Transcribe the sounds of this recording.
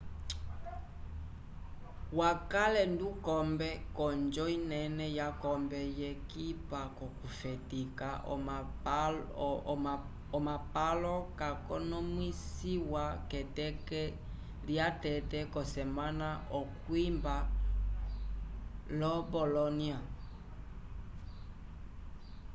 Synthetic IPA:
wakalɛndukɔmbɛkɔnd͡ʒɔinɛnɛjakɔmbɛjɛkipakɔkufɛtika | ɔmapalɔkakɔnɔmwisiwakɛtɛkɛ | ljatɛtɛkɔsɛmanaʔɔkwimba | lɔbɔlɔnia

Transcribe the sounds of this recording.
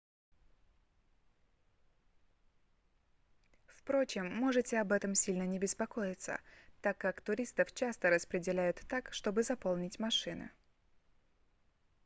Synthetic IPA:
fpɾo̞t͡ɕɪmːo̞ʐɨtʲɪɐbɛt̪əmsʲilʲnənʲɪbʲɪspɐko̞jɪt̪sə̰t̪akːakt̪ʊɾʲist̪əft͡ɕast̪əɾəspɾʲɪdʲɪlʲæjʊt̪ːakʂt̪o̞bɨzɐpo̞lˠnʲɪtʲmɐʂɨnɨ̰

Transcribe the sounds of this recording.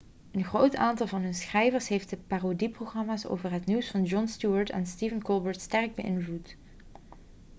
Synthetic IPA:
ənχrowtaːntɑlˠvɑnɦɵnsχrɛjvəɹsɦejft̚dəpaːrodiproχrɑmaːso̰wvəɹɦətniwsfɑnd͡ʒɔnstuəɹtɛ̰nstivənkɔlˠbəɹtstɛrɡ̚bəʔɪnvlut

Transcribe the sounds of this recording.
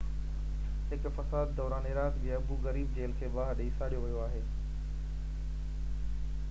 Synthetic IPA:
ɦɪkfɐsaːd̪ːɔːɾaːnɪɾaːt̪bijaɐbuɣɐɾiːbd͡ʑeːlkʰeːbaːɦɗeɪsaːɽijoʋɐjoaːɦeː

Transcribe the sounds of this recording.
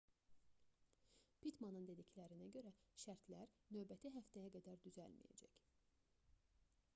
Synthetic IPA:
pʰit̪mɑnɯnd̪e̞d̪iclæɾinæɟø̞ɾæʃæɾt̪ʰlæɾnø̞vbæt̪ʰiɦæft̪æjæɡæd̪æɾd̪yzæ̰lmḭjæ̰d͡ʒæ̰c

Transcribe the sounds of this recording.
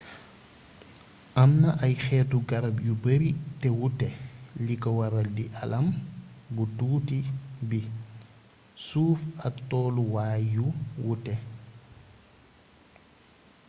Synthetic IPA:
ʔɐmnɐʔɐjxɛtuɡɐɾɐbjubəɾitɛwutɛlikɔwɐɾɐldiʔɐlɐmbutuːtibi | suːfɐtːɔːluwaːjjuwutɛ

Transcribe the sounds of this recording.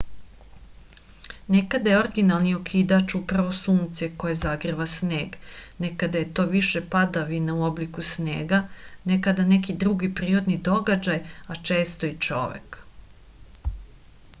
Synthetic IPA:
nekad̪ajeo̞ɾɡinalˠniokʰiːd̪at͡ʃupɾaʋo̞suːmt̪seko̞jezaɡɾiʋasne̞ːɡnekad̪aje̞t̪o̞ːʋiʃe̞pad̪aʋinauo̞blikusnḛːɡane̞kad̪ane̞kid̪ɾuɡipɾiːɾod̪nid̪o̞ɡad͡ʑajat͡ʃe̞ːst̪o̞it͡ʃo̞̰ʋḛk

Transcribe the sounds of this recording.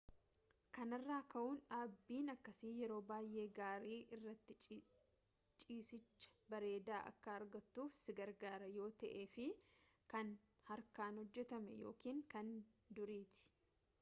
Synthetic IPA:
kɐnɐrːaːkɐʔuːnᶑaːbːiːnɐkːɐsiːjɛɾo̞ːbaːjʔe̞ːɡaːɾiːʔɪrːɐt̪ːɪ | t͡ʃʼiːsɪt͡ʃːɐ̥bɐɾe̞ːd̪aːʔɐ̰kːɐɐɾɡɐt̪ːuːfsɪɡɐɾɡaːɾɐjo̞ːt̪ɐʔeːfɪkɐn | hɐɾkaːnhɔd͡ʒːɛt̪ɐmɛ̰jo̞̰ːkiːŋkɐnd̪ʊɾiːt̪ɪ̥

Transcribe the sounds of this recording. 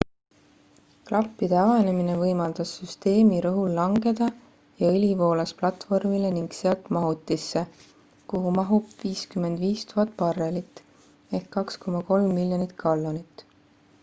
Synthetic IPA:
klʔɑpːid̪̥eɑvɑne̞mine̞vɤjmɑld̪̥ɑsːyst̪e̞ːmiɾɤɦulːɑŋɡe̞d̪̥ɑ | jɑelʲivo̞ːlɑsplɑt̪vo̞rmile̞niŋɡ̥seɑlt̪mɑɦut̪ːˑisːe̞ | kuɦumɑɦubviːskymːe̞nd̪̥viːst̪uɦɑt̪ːˑpɑrːe̞lit̪ːˑ | e̞hkːɑksko̞mːɑko̞lmːilʲjonit̪kʰɑlːonit̪ːˑ

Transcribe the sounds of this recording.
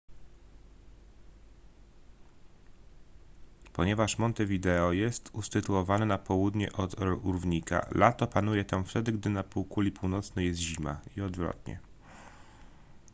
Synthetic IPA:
pɔɲɛvaʂmɔnt̪ɛvʲid̪ɛɔjɛst̪ust̪ɘt̪uɔvanɛnapɔwud̪ɲɛʔɔt̪uɾvɲika̰lat̪ɔpanujɛt̪amft̪ɛd̪ɘɡd̪ɘnapuwkulʲipuwnɔt̪snɛjɛst̪ʑima̰iɔd̪vɾɔ̰t̪ɲɛ̰

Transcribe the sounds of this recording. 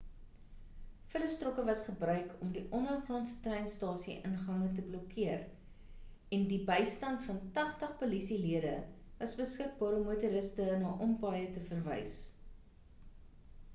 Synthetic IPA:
fələstrɔkəvɐsχəbrœɥkʰɔmdiʔɔnərχroːnsə̥trɛjnstɑːsiʔənχɐŋətəblɔkʰiər | ɛndibəjstɐntfɐntɐχtəχpolisiliədə̰ | vɐsbəskək̚bɑːɾɔmːutuɾəstənɑːʔɔmpɑːjətəfərvɛ̰js

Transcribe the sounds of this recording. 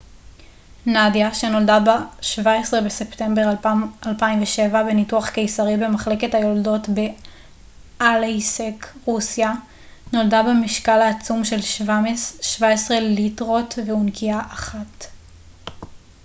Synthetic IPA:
nadjaʃe̞no̞ldabaʃvaesʁebe̞se̞pte̞mbeʁalpaimveʃe̞vabe̞nituaχke̞jsaʁibe̞maχle̞ke̞thajo̞ldo̞tbe̞ | ʔalejsekʁusja | no̞ldabemiʃkalaːt͡sumʃe̞lʃvaʃvaesʁe̞litʁo̞tveunkʰiaʔaχat

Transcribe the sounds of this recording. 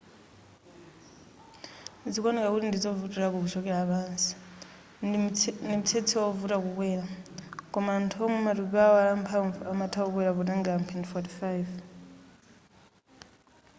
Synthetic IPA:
d͡zikɔnɛkakutindid͡zɔvutiɾakukut͡ʃɔkɛɺapaːnsi̥ | ndimut͡sʰɛt͡sʰɛɔvutak̬ukwɛɾakɔmaːntʰɔmɛmatupaɔalampʰaɱvuʔamatʰaɔk̬wɛɾaβunaŋɡampʰɛntfɔti̥fajv

